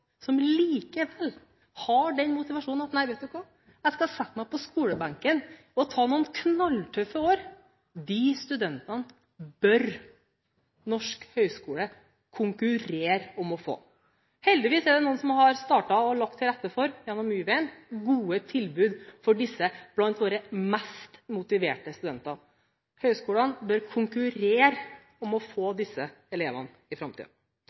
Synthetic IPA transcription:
sɔmliːkəʋɛlː | hɑɖɛnmʊt̪ɪʋɑʂuːnnɑt̪næɪʋɛɪt̪d̪ʉkʰɑː | ɛɡskɑhɑsɛt̪ːmæɪpʰɔskuːləbɑŋkən | ɔt̪ʰɑːnuːənkʰnɑlːt̪ʰœfːəoːɾ | d̪ɪst̪ʉd̪ɛnt̪ɑn | bœɾ | nɔʂkhœʏskuːlə | kʰʊŋkʉɾeːɾɔmɔfo̰ː | hɛld̪ɪʋiːsæɖɛnuːənsɔmhɑɾst̪ɑːʈɑɔɭɑk̚t̪ʰːɪlɾɛt̪ːəfɔɾjɛnːɔmːyːʋɛɪnɡuːət̪ʰɪlbʉːd̪fɔɖɪsːəb̥lɑnt̪ʋoːɾəmɛst̪mʊt̪ɪʋeːʈəst̪ʉd̪ɛnt̪ɑ | hœʏskuːlənbœɾkʰʊŋkʉɾeːɾ | ɔmɔfoːd̪ɪsːə | ɛleːʋə̰n | ɪfɾɑmt̪ʰḭːd̪ɑ

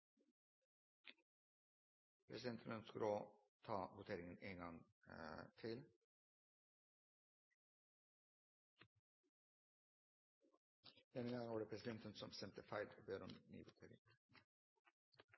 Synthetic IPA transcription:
pʰɾɛsɪd̪ɛnt̪ʰənənskəloːt̪ʰɑːʋʊt̪ʰeːɾɪŋəneːŋɡɑŋ | t̪ʰɪl | d̪ɛnəŋɡɑŋʋɑːɖəpʰɾɛsɪd̪ɛnt̪ənsɔmsɛmt̪ʰəfæɪlbøːɾɔmny̰ːʋʊt̪ʰḛːɾɪ̰ŋ

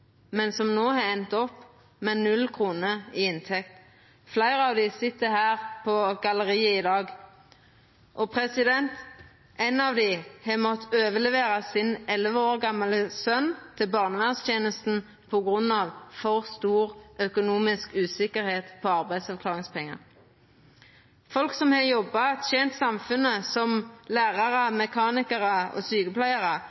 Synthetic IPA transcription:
mɛnsɔmnoːhɑɛnt̪ɔpː | mɛnʉlkʰʁuːnəiːɪnt̪ʰɛkt̪ | flæɪʁəɑʋd̪ɪsɪt̪ːəhæːʁpʰɔɡɑləʁiːəɪd̪ɑːɡ | ʔɔpʰʁɛsɪd̪ɛnt̪ | ʔɛɪnɑʋd̪ɪhɛmɔt̪ːøːʋəlɛʋeːʁɑsɪnɛlʋəoːʁɡɑmːɑləsœnt̪ʰɪlbɑːʁnəʋænst̪ʰjeːnəst̪n̩ | pʰɔɡʁʉnːɑːʋfɔʁst̪uːʁœkʊnuːmɪskʉːsɪkəʁheːt̪pʰoːɑʁbæɪd̪sɑʋkʰlɑːʁɪŋspʰɛŋːɑ̰ʁ | fɔlksɔmhɑjɔbːɑt̪ʃɛnt̪sɑmfʉnəsɔmlæːʁɑʁəmɛkʰɑːnɪkəʁɑo̰ːsyːkəpʰlæɪɑʁə

